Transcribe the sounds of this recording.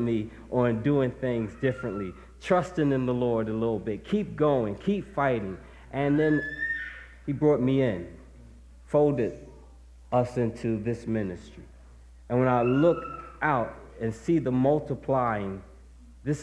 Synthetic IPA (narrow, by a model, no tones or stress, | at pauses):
mi | ʔəɨ̃nduɪ̃ŋθɪ̃ŋzdɪfɹɨ̃nʔli | tʰɹ̥ʌstɪ̃ŋɨ̃nðəlɔɹɾəlɪɾl̩ˠbɪt̚kʰip̚ɡ̥oʊɪ̃ŋkʰipfaɪɾɪ̃ŋ | ʔɨ̃nðɨ̃n | ibɹɔt̚miɪ̃n | foʊlˠdɨɾ | ʌsɪ̃ntʰʉðɪsmɪnɨstɹ̥i | ɨ̃nwə̃naɪlʊkʔaʊɾ | ɨ̃nsiðəmʌlˠtəpʰl̥aɪɪ̃ŋ | ðɪs